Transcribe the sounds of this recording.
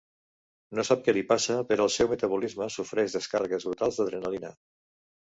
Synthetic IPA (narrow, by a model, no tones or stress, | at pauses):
nosap̚kɛlipasəpəɾɔəlˠsɛwmət̪əβ̞ulizməsufɾɛʒðəskarəɣəzβɾut̪alˠzðəðɾənalina̰